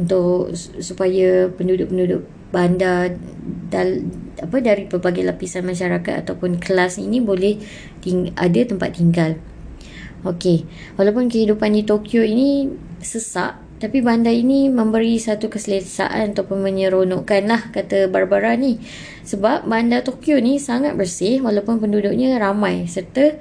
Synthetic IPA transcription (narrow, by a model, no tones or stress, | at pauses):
unt̪ʊʔsupajapəndudʊʔ̚pəndudʊʔ̚ | banda | daapədaɾipərbaɡajlapisanmãʃaɾakat̪̚a̰t̪awpʊnkəlasninĩbolɛh | t̪iŋa̰dat̪əmpa̰t̪ːiŋɡal | oke | walawpʊnkəhidupandit̪okjoinisəsa̰ʔ | t̪apibandainimə̃mbəɾisat̪ukəsələsa̰ʔa̰nat̪awpʊnmə̃ɲəɾonɔʔkanlahkat̪əbarbaɾani | səbap̚bandat̪okjonisaŋat̪̚bərsɪhwalawpʊnpəndudʊk̚ɲə̃ɾamãjsərt̪ə